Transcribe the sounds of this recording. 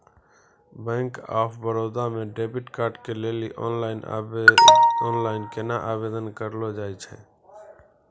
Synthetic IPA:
bə̃ŋka̰pʰbəɾod̪ameɖebiʈkaɾɖkeleliʔɔ̰nlaɪn | ɔnlaɪnkenaʔabed̪ənkəɾlɔd͡ʒajt͡ʃʰɛ̰

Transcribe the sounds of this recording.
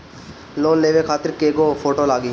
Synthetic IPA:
loːnleːʋekʰaːt̪ɪɾkeːɡoːpʰoːʈoːlaːɡiː

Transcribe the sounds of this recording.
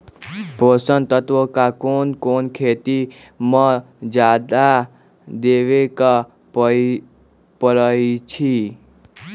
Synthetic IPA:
bʱosənt̪ət̪ʋokakoːnkoːnkʰet̪i | mə̃ | d͡ʒaːd̪a | d̪eːʋeka | pəɾəit͡ʃʰi

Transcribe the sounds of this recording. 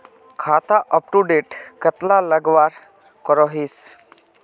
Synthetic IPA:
kʰat̪aʔəp̚ʈuɖeʈkət̪laləɡʋaɾ | kɔɾɔɦiːs

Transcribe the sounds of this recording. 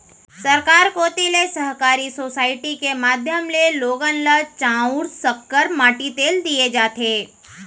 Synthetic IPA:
sɐɾkaːɾkot̪ɪlesəɦkaːɾisoːsaːɪʈikemaːd̪ʱjəmleloːɡənlət͡ʃãːʊɾsəkːəɾmaːʈit̪eːld̪ied͡ʒaːt̪eː

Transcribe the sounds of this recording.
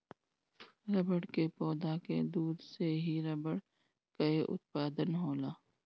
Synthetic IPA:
ɾɐbəɽkepɔːd̪aːkḛd̪uːd̪seɦiɾɐbəɽ | kɐeʔʊ̰t̪̚paːd̪ənɦoːlaː

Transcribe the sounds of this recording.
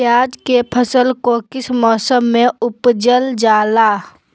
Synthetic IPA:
jaːd͡ʒkepʰəsəlkokɪsmɔːsəmːẽʊpd͡ʒəld͡ʒaːlaː

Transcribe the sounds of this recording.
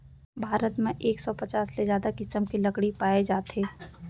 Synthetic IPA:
bʱaːɾət̪mẽʔeːksɔpɐt͡ʃaːssezjaːd̪akɪsəmkilɐkɽipaːed͡ʒaːt̪eː

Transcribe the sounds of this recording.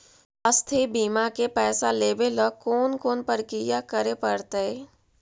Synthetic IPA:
əst̪ʰebiːmakepɛːsaleːbelɔkoːnkoːnpəɾkijakəɾepɐɽt̪ee

